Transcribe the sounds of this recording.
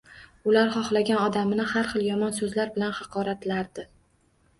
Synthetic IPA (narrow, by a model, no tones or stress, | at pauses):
ʊlaɾχɒχlaɡʲanɒd̪amnɪhaɾχɨlˠjɒmɒnsɵzlaɾbɪlanhɑqʰɒɾat̪laɾd̪ɪ